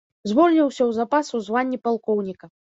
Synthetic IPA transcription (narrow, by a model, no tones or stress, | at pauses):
zvɔlʲnʲiwsʲɐwzapasuzvanʲːipalˠkɔwnʲikɐ